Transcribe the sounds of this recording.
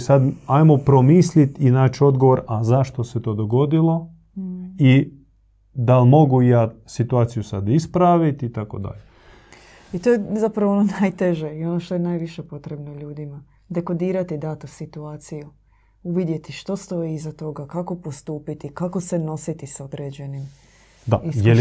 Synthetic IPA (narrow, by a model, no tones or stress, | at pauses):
sad̪ajmopɾomislit̪inaːt͡ʃo̞d̪ɡoʋo̞ɾazaʃt̪o̞set̪o̞ːd̪oɡo̞d̪ilˠo̞ | i | d̪almo̞ɡujaːsit̪uaːt̪sijusad̪ispɾaʋit̪it̪akod̪a̰ʎe | it̪o̞jezapɾaʋoononajt̪eʒeio̞noʃt̪o̞jenajʋiʃe̞po̞t̪ɾe̞bnoʎuːd̪ima | d̪e̞ko̞d̪iːɾat̪id̪aːt̪osit̪uaːt̪siju | uʋid̪je̞t̪iʃt̪o̞st̪o̞jizat̪o̞ɡakako̞post̪uːpit̪ikako̞seno̞sit̪isao̞d̪ɾe̞ːd͡ʑe̞nim | d̪aijel